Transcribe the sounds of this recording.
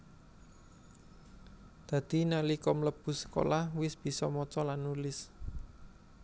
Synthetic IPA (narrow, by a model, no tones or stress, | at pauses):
d̪̥ä̤d̪̥i̤nalikɔmələb̥ṳsə̥ko̰lahwɪsb̥i̤sɔmɔt͡ʃɔlanːulɪs